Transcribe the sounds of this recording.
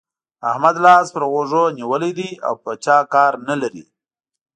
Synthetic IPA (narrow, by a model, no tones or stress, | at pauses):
ahmad̪lɑzpəɾɣoʐoniwəlid̪ia̰wpət͡ʃɑkɑɾnalaɾḭ